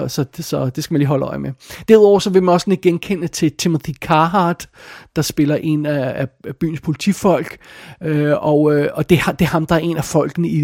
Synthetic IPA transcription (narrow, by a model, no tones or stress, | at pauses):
sɒ̽sɒ̽d̥e̝sɡ̥æmænliːɦɒ̽ləɒɪmed̥æɐð̩ˠɒʊ̰ɐsɒ̽ʋe̝mænɒsɒ̽nled̥̚ɡ̥enkʰenət͡sʰe̝t͡sʰemuðikʰɑ̈ːɦɑd̥ɑ̈sb̥e̝lɐʔe̝næːb̥y̰ːn̩spʰo̝lit͡sʰḭfɒ̽l̰ɡ̥øɒ̽øɒd̥e̝hd̥e̝æɐɦɑ̈md̥ɑ̈æɐe̝næfɒ̽l̰ɡ̥ənəi